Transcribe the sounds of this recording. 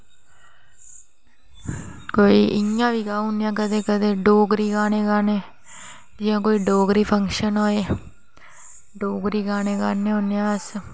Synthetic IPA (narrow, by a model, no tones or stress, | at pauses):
koːiːʔɪãːʋiːkaːʊnjãːk̬əd̪eːkəd̪eːɖoːɡɾiːɡaːneːɡaːneː | d͡ʒɪjãːkoːiːɖoːɡɾiːpʰəŋkʃənɦoːeː | ɖoːɡɾiːɡaːneːɡa̰ːneːɦonːejãːs